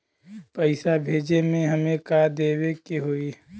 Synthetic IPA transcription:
pəɪsabʱeːd͡ʒemẽɦɐmẽkad̪eːwekeɦoːi

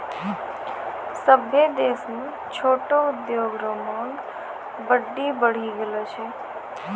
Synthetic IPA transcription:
səbʱjed̪esnũ | t͡ʃʰoːʈoʊd̪joɡɾomaɳɖ | bəɖːibəɽ̤iɡəlot͡ʃʰe

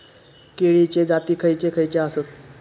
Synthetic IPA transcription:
keɭit͡ɕed͡zat̪iːkʰəjt͡ɕekʰəjt͡ɕeasot̪̚

